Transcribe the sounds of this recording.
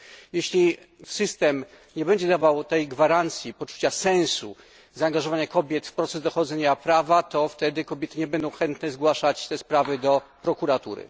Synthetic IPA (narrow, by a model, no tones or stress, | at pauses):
jɛɕlʲi | sɘst̪ɛm | ɲɛbɛɲd͡ʑɛd̪avawt̪ɛjɡvaɾant̪sʲjipɔt͡ʂu̥t͡ɕasɛ̃ñsṵ | zaːŋɡaʐɔvaɲakɔbʲjɛt̪fpɾɔt̪sɛzd̪ɔxɔd̪zɛɲapɾavat̪ɔft̪ɛd̪ɘkɔbʲjɛt̪ɘɲɛbɛnd̪ɔ̃w̃xɛnt̪nɛzɡwaʂat͡ɕt̪ɛspɾavɘd̪ɔpɾɔkuɾat̪ṵɾɘ̰